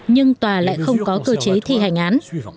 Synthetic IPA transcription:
ɲɨ˧ŋt̪waː˨˩la̰ː˧˨jxə˧wŋ͡mkɔ˨˦kəː˧t͡ɕe˨˦t̪ʰi˧ɦa˨˩jŋ̟ʔaː˨˦n

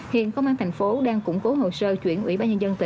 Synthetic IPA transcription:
hḭ˧˨ənkə˧wŋ͡mʔaː˧nt̪ʰa˨˩ŋ̟fo˨˦ɗaː˧ŋkʊ̰˧˥ŋ͡mko˨˦ɦo̰˧˨səː˧t͡ɕwḭ˧˩˨ənʔwḭ˧˩ɓaː˧ɲə˧nzə˧nt̪ï˧˨

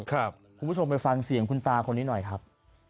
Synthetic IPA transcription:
kʰa˦˩p̚ | kʰu˧pʰːu˥o˧mpa˧jfa˧ŋsi˨˩˦ŋkʰu˧nt̪aː˧kʰo˧nːiː˦˥nɔ˨˩jkʰɾa˦˥p̚

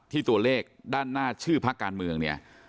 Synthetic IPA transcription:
t̪ʰiː˥˩t̪u˧ɐleː˥˩k̚daː˥˩nːaː˥˩t͡ɕʰɯː˥˩pʰa˦˥kːaː˧nmɯ˧əŋni˥˩ɐ

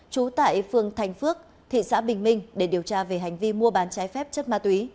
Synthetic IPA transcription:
t͡ɕu˨˦t̪a̰ː˧˨jfɨ˨˩əŋt̪ʰa˨˩jŋ̟fɨ˦˥ək̚ | t̪ʰḭ˧˨sa̰ː˧˥ɓï˨˩ŋ̟mï˧ŋ̟ɗe˧˩ɗi˨˩əwt͡ɕaː˧ve˨˩ɦa˨˩jŋ̟vi˧mu˧əɓaː˨˦nt͡ɕaː˨˦jfɛ˦˥p̚t͡ɕə˦˥t̚maː˧t̪wi˨˦

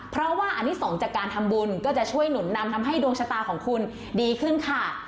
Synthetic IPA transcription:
pʰɾɔ˦˥waː˥˩ʔa˧nːi˦˥sɔː˩˦ŋt͡ɕaː˨˩kːaː˧nt̪ʰa˧mbu˧nkɔː˥˩t͡ɕa˨˩ʔt͡ɕʰu˥˩əjnu˨˩˦nːa˧mt̪ʰa˧mɦa˥˩jdu˧əŋt͡ɕʰa˧t̪aː˧kʰɔː˩˦ŋkʰu˧n | diː˧kʰɯ˥˩nkʰa˥˩

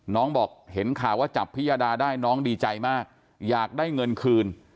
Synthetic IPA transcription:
nɔː˦˥ŋbɔː˨˩k̚he˩˦nkʰaː˨˩wːaː˥˩t͡ɕa˨˩pʰːi˦˥jaː˧daː˧daː˥˩jnɔː˦˥ŋdiː˧t͡ɕa˧jmaː˥˩k̚ | jaː˨˩k̚daː˥˩jŋɤ˧nkʰɯː˧n

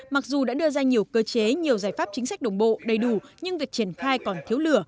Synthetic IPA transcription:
ma˨˩k̚zu˨˩ɗa̰ː˧˥ɗɨ˧əzaː˧ɲi˨˩əwkəː˧t͡ɕe˨˦ɲi˨˩əwzaː˧˩jfaː˦˥p̚t͡ɕï˨˦ŋ̟sa˦˥k̚ɗə˨˩ŋ͡mɓo̰˧˨ɗə˨˩jɗu˧˩ɲɨ˧ŋvi˨˩ək̚t͡ɕi˧˩ənxaː˧jkɔ˨˩nt̪ʰi˨˦əwlɨ˧˩ə

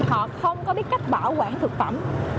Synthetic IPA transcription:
hɔ̰˧˨xə˧wŋ͡mkɔ˨˦ɓi˦˥ət̚ka˦˥k̚ɓaː˧˩wkwaː˧˩ŋt̪ʰɨ˨˩k̚fə̰˧˩m

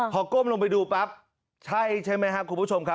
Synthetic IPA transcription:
kʰɔː˨˩˦koː˥˩mlo˧ŋp̬a˧jduː˧pɾa˦˥p̚ | t͡ɕʰa˥˩jt͡ɕʰa˥˩jma˦˥jka˦˥ʔkʰu˧pʰu˦˥˩o˧mkʰa˦˥

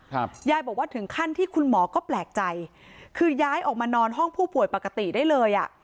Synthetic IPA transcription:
jaː˦˩jbɔː˨˩k̚waː˥˩t̪ʰɯ˩˦ŋkʰa˥˩nt̪ʰiː˥˩kʰu˧nmɔː˩˦kɔː˥˩plɛː˨˩k̚t͡ɕa˧j | kʰɯː˧jaː˦˥jʔɔː˨˩k̚maː˧nɔː˧nɦɔ˥˩ŋpʰuː˥˩pu˨˩əjpa˨˩ka˧t̪i˨˩daː˥˩jlɤː˧jʔa̰˨˩ʔ

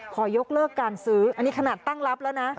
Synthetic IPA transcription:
kʰɔː˩jo˦˥k̚lɤː˥˩kːaː˧nsɯː˦˥ʔa˧nːiː˦˥kʰa˧naː˨˩t̪ːa˥˩ŋla˦˥p̚lɛː˦˥wna˦˥ʔ

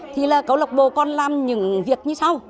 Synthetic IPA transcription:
t̪ʰi˨˩laː˨˩kə˨˦wlə˨˩k͡p̚ɓo˧˨˩kɔ˧nlaː˨˩mɲɨ̰˧˦ŋvi˨˩ək̚ɲɨ˧sa˧w

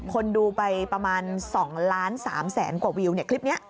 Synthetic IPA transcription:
kʰo˧nduː˧pa˧jpɾa˧maː˧nsɔ˩˦ŋlaː˦˥nsaː˩˦msɛː˩˦nkwaː˨˩wi˧wni˥˩ɐkʰli˦˥p̚ni˦˥ɐʔ

